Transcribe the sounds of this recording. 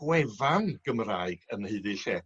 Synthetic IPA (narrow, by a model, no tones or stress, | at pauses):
wɛvanɡ̥əmraːɨɡ̥ənhɨɨðɨɬɛ